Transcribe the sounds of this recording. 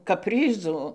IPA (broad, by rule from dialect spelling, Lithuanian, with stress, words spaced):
kɐpʲˈrʲiːzʊ